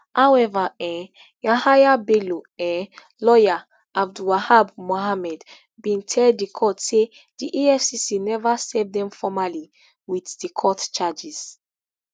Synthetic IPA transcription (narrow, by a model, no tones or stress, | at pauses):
hawɛvaɛ̃ | jãhajabeloɛ̃ | lɔja | ab̚duwahabmoɦamɛd | bĩntʰɛldːikʰɔtse | d̥iʔiɛfsisinɛvasevdɛ̃mfɔmali | wiθdikʰɔtt͡ʃad͡ʒiz̥